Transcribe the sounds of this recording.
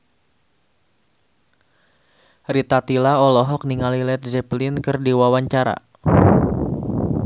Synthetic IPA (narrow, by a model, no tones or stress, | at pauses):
rit̪at̪ilaɔlɔɦɔk̚niŋalilɛt̪̚d͡ʒɛplɪnkɨrdiwawaɲt͡ʃaɾa̰